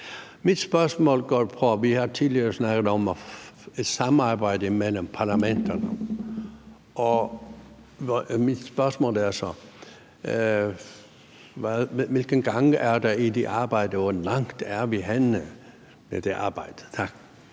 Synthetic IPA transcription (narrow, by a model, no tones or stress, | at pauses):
mid̥sb̥ɶsmɔ̰ːlɡ̥ɔːpʰɔʋihɑt͡sʰiðliɐəsnɑɡ̥əð̩ˠɒm | ed̥sɑ̈mɑːbɑ̈ɪd̥əimeləmpʰɑ̈læmend̥ɐnə | ʔɒ | mid̥spɶɐsmɔ̰ːlæɐsɒ | ʋæʋɪlɡ̥ənɡ̥ɑŋəʔæɐd̥ɑid̪eʔɑ̈ːb̥ɑɪ̰d̥əʋɒlɑ̈ŋd̥æɐʋiɦænə | med̪̥eʔɑ̈ːb̥ɑɪd̥ətʰɑɡ̥